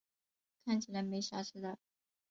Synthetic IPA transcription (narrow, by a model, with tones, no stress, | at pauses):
kʰa˥˩nt͡ɕʰi˨˩la˧˥ɪme˧˥ɪɕa˥ʂ̩ʰ˥˩d̪a˥˧˩